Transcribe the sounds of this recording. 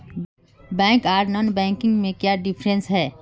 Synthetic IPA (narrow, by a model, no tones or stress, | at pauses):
bɛ̃ːŋkaːɾnɔːnbɛ̃ːŋkɪ̃ŋɡmẽkjaɖɪpʰɾẽnsɦɛː